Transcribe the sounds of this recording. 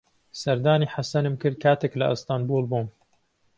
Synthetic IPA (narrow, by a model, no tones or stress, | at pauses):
sɐɾd̪aːniħasɐnɨmkɨɾ̚kʰaːt̪eːklɐ̰ʔɨ̰st̪aːnbulˠbum